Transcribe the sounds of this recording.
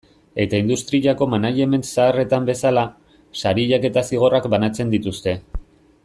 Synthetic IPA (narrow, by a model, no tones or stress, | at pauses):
e̞t̪aind̪ust̪ɾiʎako̞manaʎe̞me̞nsaːre̞t̪ambe̞sala | saɾiʎake̞t̪asiɣ̞o̞rakbanat͡se̞nd̪it̪ust̪e̞